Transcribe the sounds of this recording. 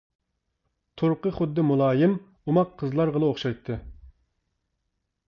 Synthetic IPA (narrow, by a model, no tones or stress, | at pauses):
t̪ʰoɾqəχʊd̪ːɨmulˠɑːjɪm | umɑqʰːəzlˠɑɾʁəlˠɨoχʃɑjt̪ʰːɨ